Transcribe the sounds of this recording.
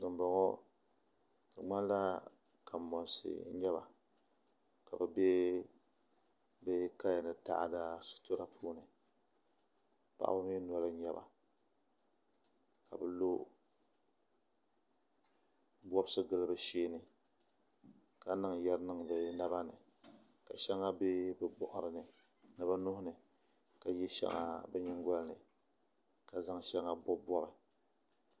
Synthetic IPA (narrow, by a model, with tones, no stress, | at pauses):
ɨ˨mbɔ˨ŋɔ˦ | ka˨ŋ͡ma˦n˦la˦ | kʰaː˨ɔ˨n˨sɨ̰˨˦ɲɛ˦ba̰˨ | ka˨bɛ˨be˦ | bɨ˦ka˦ja˨nɨ˨ta̰˦ʔda˦sʊ̥˦to˦ɾa˦pʰuː˦nɨ˨ | pa̰˦ʔa̰˦bɨ˦m˦i˦n˦ɔ˦lɨ˦ɲɛ˦ba̰˨ | ka˨bɛ˨lo˦ | bɔ˦bsɨ˦ɡɨ˦lɨ˦bɨ˨ʃeː˦nɨ˨ | ka˨nɨ˦ŋ˨jɛ˦ɾnɨ˦ŋ˨bɨ˨na˦ba˦nɨ̰˨ | ka˨ʃɛ˦ŋa˦be˦bɨ˦bɔ˨ʔʊ˨ɾɨ˨nɨ˨ | nɨ˨bɨ˦nʊ˦hʊ˦nɨ˨ | ka˨jɛ˦ʃɛ̰˦ŋa̰˨bɛ˦ɲɪ˦ŋɡʷɔ˦lnɨ˨ | ka˨za˦ŋʃɛ˦ŋa˦bɔ˦bɔ˦bɨ˨